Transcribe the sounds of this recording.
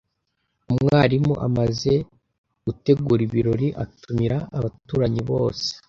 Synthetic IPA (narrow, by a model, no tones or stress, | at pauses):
umŋaːɾimuʔa̰maze̞ | ɡute̞ɡuːɾiβiɾo̞ɾiʔatʰumiɾaːβatuːɾaɲiβoːse̥